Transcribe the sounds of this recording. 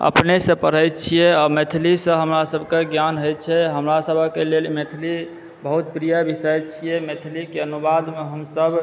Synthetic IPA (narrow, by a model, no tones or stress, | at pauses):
ə̰pnesə̃pəɾ̤əjt̪̚t͡ʃʰijɛɔmet̪ʰlisə̃ɦəmɾasəbʱkeɡjanɦojt̪t͡ʃʰɛɦəmɾasəbʱəkelelmet̪ʰli | bəɦut̪̚pɾijəbisəjt͡ʃʰijɛmet̪ʰlikeənubad̪meɦəmsəb